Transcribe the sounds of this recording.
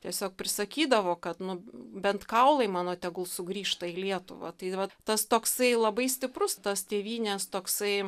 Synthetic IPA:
t̪ʲiɛsʲoːk̚pʲɾʲɪsɐkʲiːd̪ɐʋoːkɐt̪nʊbʲɛnt̪kɐʊlˠɐɪmɑːnoːt̪ʲɛɡʊlˠsʊɡɾʲiːʃt̪ɐiːlʲiɛt̪ʊʋɐ̰t̪ɐɪʋɐt̪ɐst̪oːksɐɪlˠɐbɐɪsʲtʲɪpɾʊst̪ɐst̪ʲeːʋʲiːnʲɛst̪oːksɐɪ

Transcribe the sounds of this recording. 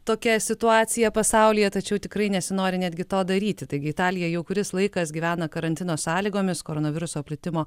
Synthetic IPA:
t̪oːkʲɛsʲɪt̪ʊɑːt̪sʲɪjɛpɐsɑʊlʲɪjɛt̪ɐt͡ʃʲɛʊt̪ʲɪkɾɐɪnʲɛsʲɪnoːɾʲɪnʲæːd̪ʲɡʲɪt̪oːd̪ɐɾʲiːt̪ʲɪt̪ɐɪɡʲɪɪt̪ɑːlʲɪjɛjɛʊkʊɾʲɪslˠɐɪkɐsɡʲiːʋʲæːnɐkɐɾɐnʲt̪ʲɪnoːsɑːlʲiːɡoːmʲɪskoːɾoːnɐʋʲɪɾʊsoːpʲlʲɪt̪ʲɪmoː

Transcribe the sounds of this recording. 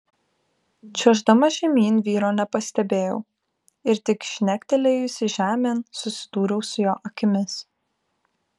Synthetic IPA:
t͡ʃʲɛʒd̪ɐmɐʒʲɛmʲiːnʋʲiːɾoːnʲɛpɐsʲt̪ʲɛbʲeːjɛʊ | ɪɾt̪ʲɪkʃʲnʲækʲt̪ʲɛlʲɛɪʊsʲɪʒʲæːmʲeːnsʊsʲɪ̥d̪̥uːɾʲɛʊsʊjoːʔɐkʲɪmʲɪs

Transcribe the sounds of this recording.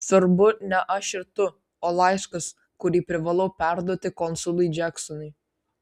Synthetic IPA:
sʋɐɾbʊnʲɛʔɐʃʲɪɾt̪ʊ | ɔlˠɑɪskɐs | kʊɾʲiːpʲɾʲɪʋɐlˠoːpʲæɾd̪uɔt̪ʲɪkɔnsʊlˠʊjd͡ʒʲæksɔnʊj

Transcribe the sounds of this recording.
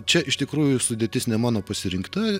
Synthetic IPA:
t͡ʃʲɛʔɪʃt̪ʲɪkɾuːjʊsʊd̪ʲeːt̪ʲɪsnʲɛmɑːnoːpɐsʲɪɾʲɪŋkt̪ɐ

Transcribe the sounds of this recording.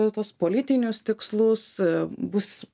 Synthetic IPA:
t̪uɔspoːlʲɪt̪ʲɪnʲʊst̪ʲɪkslˠʊsbʊs

